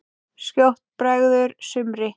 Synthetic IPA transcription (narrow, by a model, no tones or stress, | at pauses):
scjowht̪pɾɛɣðʏɾsʏmɾɪ